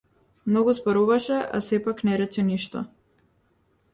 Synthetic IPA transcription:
mnɔɡuzbɔɾuvaʃɛʔa̰sɛpaknɛɾɛt͡ʃɛniʃt̪ɔ

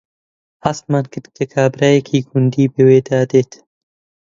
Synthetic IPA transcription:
hast̪maːnkʰɨɾt̪̚kʰɐkʰaːbɾaːjekʰiːɡund̪iːbɨweːd̪aːd̪eːt̪

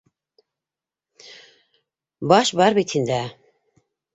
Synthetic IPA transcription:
bɑʃbaɾbit̪ʰind̪æ

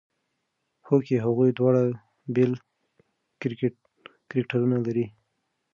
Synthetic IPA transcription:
hokeɦaɣujd̪wɑɽa | bel | kɾk | kɾɪkʈaɾunalaɾi

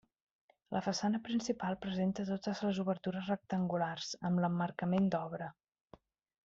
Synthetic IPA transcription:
lʔəfəsanəpɾinsipalˠpɾəzent̪ət̪ot̪əzləzuβərt̪uɾəzrək̚t̪əŋɡularz̥əmləmːərkəmend̪ɔβ̞ɾə

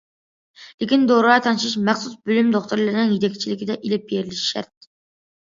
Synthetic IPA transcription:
lɪkʲind̪oɾɑːt̪ʰɑnɨʃiʃmæχsusbølymd̪oχt̪uɾlˠɑɾnɪŋjit̪ʰɛkʲt͡ʃʰilɪkʲid̪ɛʔilɪp̚jeɾlɪʃʃæ̰ɾt̪̚

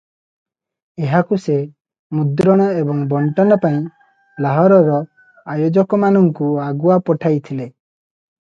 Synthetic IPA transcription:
eɦakuse | mud̪ɾɔɽ̃ɔebɔŋbɔɳʈɔnɔpaĩ | laɦɔɾɔɾɔ | ajod͡ʒɔkɔmanɔŋkuaɡuapɔʈʰajt̪ʰile

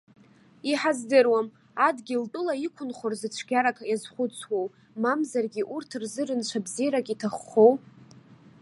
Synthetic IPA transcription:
iħazdɨrwam | adɡʲiltʼʊlaikʷʰʊnχorzɨt͡ʃʷʰɡʲaɾakʰajazχʷʊt͡sʰwow | mamzarɡʲiʔurtʰɨrzɨɾɨnt͡ʃʷʰabzijɾakʲʼitʰaχːow

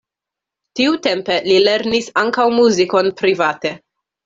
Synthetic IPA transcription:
tiute̞mpe̞lile̞ɾnisaŋkawmuziko̞npɾivate̞

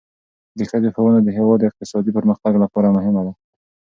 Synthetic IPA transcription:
d̪əxəd̪exawənad̪əɦewɑd̪ːɪq̚t̪ɪsɑd̪ipəɾməxt̪aɡlapɑɾamʊɦɪmad̪a

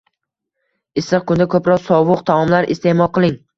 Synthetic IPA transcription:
ɪsɨq̚kʰʊnd̪akʰɵpɾɒsɒwʊqt̪ʰaɒmlaɾɪ̰st̪e̞mɒlˠqʰɨlˠɪŋ

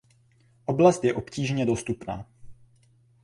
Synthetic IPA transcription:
ʔo̞blast̪jɛʔo̞pciːʒɲɛdo̞st̪upna̰ː

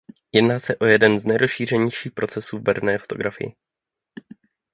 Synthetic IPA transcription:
jɛdnaːsɛʔo̞jɛdɛnznɛjɾo̞sʃiːr̝ɛɲɛjʃiːxpɾo̞t͡sɛsuːvbɛɾnɛːfo̞t̪o̞ɡɾafɪ̰jɪ̰

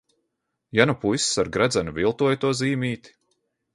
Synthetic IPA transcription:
janupujssaɾɡɾad̪zanuvʲilˠt̪uɔjt̪uɔziːmiːt̪i̥

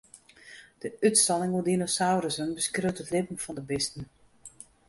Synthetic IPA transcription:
d̥əytstɑnɪŋudinosawɾəsənbəskrøtətlɪpənfɔndəbɪstən̩

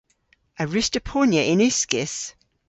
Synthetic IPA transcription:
əɹʉstəpʰonjəʔɪ̃nʉskɪs

